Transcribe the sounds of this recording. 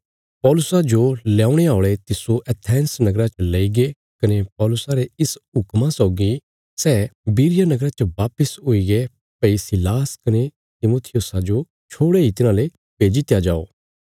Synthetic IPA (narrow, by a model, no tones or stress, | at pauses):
pɔːlʊsad͡ʒolãːũɽ̃eaːʊɭet̪ɪsoʔɛt̪ʰɛ̃ːnsnɐɡɾat͡ʃəleiɡe | kɐnepɔːlʊsaɾeɪsɦʊkmãsɔʊɡi | sɛːbiːɾɪjanɐɡɾat͡ʃəʋaːpəsɦoiɡe | pɐisɪlaːskɐne | t̪ɪmoːt̪ʰɪjʊsad͡ʒo | t͡ʃʰoːɽeit̪ɪnãːle | peːd͡ʒit̪jad͡ʒaːo̰ː